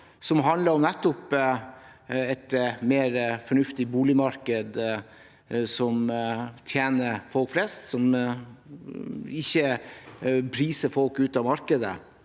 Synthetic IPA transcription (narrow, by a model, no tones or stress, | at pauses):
sɔmɦɑnləɾɔmnɛt̪ːɔp | ɛt̪meːɾfɔɳʉft̪ɪbuːlɪmɑɾkəd̪ | sɔmt̪ʰjeːnəɾfɔlkflɛst̪sɔm | ɪçːə | pʰɾiːsəɾfɔlkʉːt̪ɑʋmɑɾkəd̪ə̰